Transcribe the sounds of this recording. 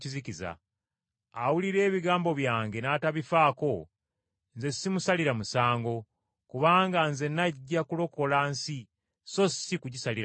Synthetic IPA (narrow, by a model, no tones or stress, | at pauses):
ciziciza̰ː | wuliɾe̞ːβiɡaːmbo̞βjaːŋɡe̞naːtaβifaːko̞ | nze̞sːimusaliɾamusaːŋɡo̞ | kuβaːŋɡanze̞naɟːakulo̞ko̞lansi | so̞sikuɟisaliɾ